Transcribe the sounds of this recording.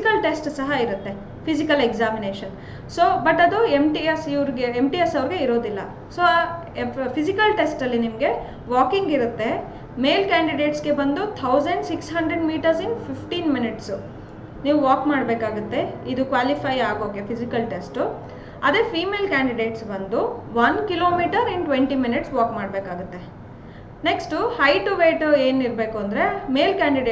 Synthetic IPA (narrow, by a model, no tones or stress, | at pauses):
kɐlʈe̞sʈsɐɦɐiɾut̪ːe̞ | pʰisikɐleɡzaːmineːʃɐn | soːbɐʈːɐd̪uemʈiesiʋɾɡeemʈiesɐʋɾiɡe̞iɾo̞ːd̪ilːɐ | soː | pʰisikɐlʈesʈɐlːinimɡe̞ | ʋaːkiŋɡiɾut̪ːe̞ | me̞ːlkaːɳɖiɖeːʈsɡe̞bɐnd̪ut̪ʰɐwzɐɳɖsiksɦɐɳɖɾeɖmiːʈɐɾsinpʰipʈiːnminiʈsu | niːʋuʋaːkmaːɽbeːkaːɡut̪ːe̞id̪ukʋaːlipʰɐjaːɡoːkepʰizikɐlʈesʈu | ɐd̪ɾepʰiːmeːlkaːɳɖiɖeːʈsbɐnd̪uʋɐnkiloːmiːʈɐɾiɳɖʈʋeɳʈiminiʈsʋaːkmaːɽbeːkaːɡut̪ːe̞ | neksʈuhɐjʈuʋeːʈoeːniɾbeːkuɐnd̪ɐɾe̞meːlkaːɳɖiɖeː